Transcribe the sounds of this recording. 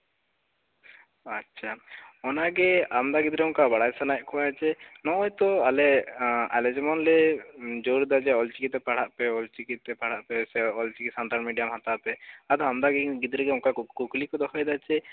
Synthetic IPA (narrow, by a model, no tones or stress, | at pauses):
atːʃʰaɔnaɡɛamd̪aɡid̪ɾɛʊnkabaɽajsanajɛʔkʰɔaɛt͡ʃɛnɔjt̪ɔalɛalɛd͡ʒɛmɔnlɛd͡ʒoɾd̪ad͡ʒɛɔlt͡ʃikit̪ɛpaɽ̤aʔpɛɔlt͡ʃikit̪ɛpaɽ̤aʔpɛsɛɔlt͡ʃikisanʈ̪almiɖijamɦat̪apɛad̪amd̪aɡid̪ɾɛɡɛʊnkakuklikɔd̪ɔkʰɔjd̪at͡ʃɛ